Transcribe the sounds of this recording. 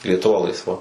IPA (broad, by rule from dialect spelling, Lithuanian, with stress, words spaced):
lʲiɛtʊˈʋɐ lˠɐɪsˈʋɐ